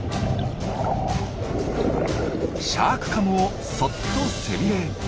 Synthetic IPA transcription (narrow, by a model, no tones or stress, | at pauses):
ɕaːkɯ̟̥kamɯo | sot̪ːoseɾʲie